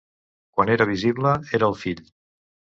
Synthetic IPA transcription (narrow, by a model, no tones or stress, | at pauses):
kwaneɾəβ̞iziβləeɾəːlˠfiʎ